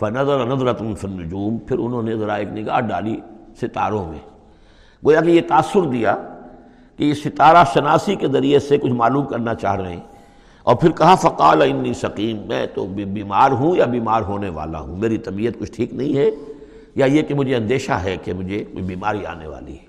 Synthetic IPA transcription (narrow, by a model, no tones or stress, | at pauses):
fɐnɐzɐɾanɐzɾɐt̪finːʊd͡ʒuːmpʰɪɾʊnɦõːnezɐɾaeːknɪɡa̰ːɦɖa̰ːlisɪt̪aːɾõmḛ̃ː | ɡoːjakejet̪aːsːʊɾd̪ija | kejesɪt̪aːɾaʃɐnaːsikezɐɾiesekʊt͡ʃʰmaːluːmkɐɾnat͡ʃa̰ːɦɾɐɦẽ | ɔːɾpʰɪɾkɐɦafɐqaːlaɪnːiːsɐqiːmːɛ̰̃ːt̪o̰biːmaːɾɦũjabiːmaːɾɦoːneʋa̰ːla̰ɦũmeːɾit̪ɐbiːət̪̚kʊt͡ʃʰʈʰiːknɐɦĩɦɛ | jajekemʊd͡ʒʱeɐ̃nd̪eːʃa̰ɦɛkemʊd͡ʒʱebiːmaːɾia̰ːnḛʋa̰ːlḭɦɛ